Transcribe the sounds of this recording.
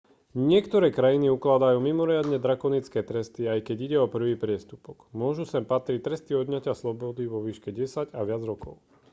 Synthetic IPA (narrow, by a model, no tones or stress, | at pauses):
ɲɪɛkt̪ɔɾɛːkɾajiniuklad̪ajuːmimɔɾɪad̪ɲɛd̪ɾakɔnit͡skɛːt̪ɾɛst̪iajkɛɟiɟɛɔpr̩ʋiːpɾɪɛst̪upɔɡmʊɔʒusɛmpat̪ɾit̪ɾɛst̪iɔd̪ɲacaslɔbɔd̪iʋɔʋiːʃkɛɟɛsaɟaʋɪad͡zɾɔkɔʊ